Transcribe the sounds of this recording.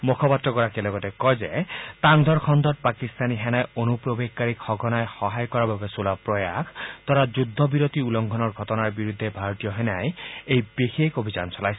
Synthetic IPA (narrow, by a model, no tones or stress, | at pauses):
mukʰɔpat̪ɾɔkɔɹakilɔɡɔtɛkɔjzet̪aŋd̪ʱɔɹkʰɔnd̪ɔt̚pakist̪aniɦɛnajonupɹobeɡ̚kaɹikxɔɡʱɔnajxɔɦajkɔɹababesulapɹɔja̰kʰt̪ɔɾad͡ʒud̪ʱːɔbiɾot̪iulɔŋɡʱɔnɔɹɡʱɔtɔnaɹbiɾud̪ʱːebʱaɹɔt̪ijɔɦɛnajejbexekobʱizansɔlajs